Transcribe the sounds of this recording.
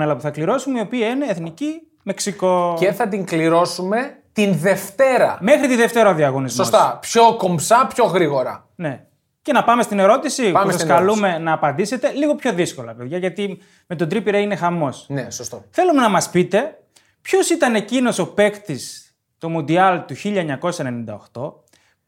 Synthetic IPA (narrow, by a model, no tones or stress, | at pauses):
eɐlɐpuθɐkliɾo̞sumeio̞piɐine̞ːθnici | me̞ksiko̞ceθɐt̪̬iŋkliɾo̞sume̞t̪inðe̞ft̪eɾɐ̰mexɾit̪iðeft̪e̞ɾɐoðiɐɣo̞nizsmosst̪ɐpço̞kombsɐpço̞ɣɾiɣo̞ɾɐ̰ | ne̞ | ce̞nɐpɐme̞st̪ine̞ɾo̞t̪isipɐesɐsskɐlume̞nɐːpɐnd̪ise̞t̪e̞liɣo̞pço̞ðisko̞lɐpe̞ðʝɐʝɐt̪i | me̞t̪o̞d̪ɾipiɾeine̞xɐmo̞snesost̪oθe̞lume̞nɐmɐspit̪e̞ | pço̞sit̪ɐne̞cino̞so̞pe̞kt̪is | t̪o̞mund̪iɐlt̪uçiʎɐeɲɐko̞sɐene̞nind̪ɐoxt̪o̞